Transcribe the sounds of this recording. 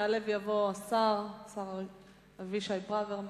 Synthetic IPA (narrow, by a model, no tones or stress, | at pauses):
alevjavo̞asaʁsaʁ | aviʃajbʁaveʁm